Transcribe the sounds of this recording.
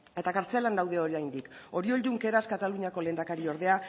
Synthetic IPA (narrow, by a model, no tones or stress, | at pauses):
e̞t̪akaɾt͡se̞land̪awð̞e̞o̞ɾiajnd̪iko̞ɾio̞ld̪uŋke̞ɾaskat̪aluɲako̞le̞nd̪akaɾio̞ɾðe̞a